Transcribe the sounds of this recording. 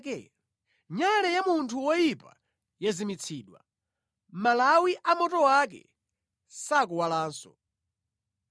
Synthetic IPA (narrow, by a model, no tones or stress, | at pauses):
kɛ | ɲalɛjamuntʰuwɔjipa̰ | jazimit͡sʰiːɗwa̰ | malawiʔamɔtɔwak̬ɛ̰ | sak̬uwalaːnsɔ